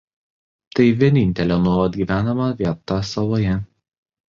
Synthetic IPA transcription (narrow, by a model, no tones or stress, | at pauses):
t̪ɐɪʋʲiɛnʲɪnʲt̪ʲɛlʲonuɔlˠɐd̪ʲɡʲiːʋʲæːnɐmɐʋʲiɛt̪ɐsɐʋoːjɛ